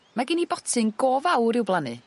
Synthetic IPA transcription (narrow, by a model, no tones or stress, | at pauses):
maɡɪnibɔtʰɨŋɡɔvawɾɪwblˠanɨ̰